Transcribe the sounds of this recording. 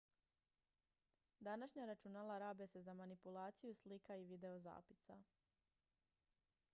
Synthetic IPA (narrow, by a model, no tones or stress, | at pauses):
d̪anaʃɲaɾat͡ʃunaːlaɾaːbe̞se̞zamanipulˠaːt̪sijuslikaiʋid̪e̞oza̰ːpisa